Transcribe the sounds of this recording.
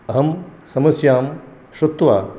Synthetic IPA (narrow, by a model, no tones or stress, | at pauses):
ɐɦɐmsɐmɐsjaːm | ʃut̪ʋa̰ː